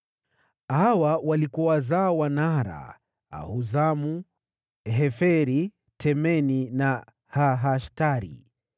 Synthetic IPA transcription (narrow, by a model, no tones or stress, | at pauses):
hawawalikuwazaːwanaɾa̰ | a̰huzamu | ɦɛfɛɾi | tʰɛmɛnina | haɦaʃtaɾḭ